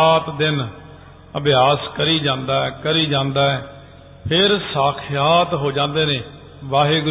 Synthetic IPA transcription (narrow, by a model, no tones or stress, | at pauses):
aːt̪d̪ɪn | əbɪjaːskəɾiːd͡ʒãːnd̪aːɛːkəɾiːd͡ʒãːnd̪aːɛː | pʰɪɾsaːkʰjaːt̪ɦoːd͡ʒãːnd̪eːnẽː | ʋaːɦeːɡ